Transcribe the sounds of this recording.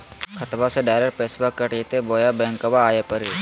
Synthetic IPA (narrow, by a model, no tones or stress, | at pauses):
kʰɐt̪baseɖaːɪɾeɾpeːsbakːəʈiːt̪eboːjabɛ̃ːŋkəʋaːjepəɾi